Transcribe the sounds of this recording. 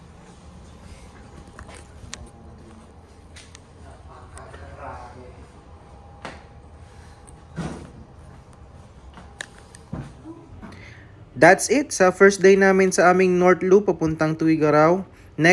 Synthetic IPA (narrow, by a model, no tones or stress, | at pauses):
d̪at̪sɪt̪sɐfɛɹsd̪ejnaːmɪnsɐʔaːmɪŋnoɹt̪lupɐpʊnt̪ɐŋt̪ʊwɪɡɐɾaw | nɛ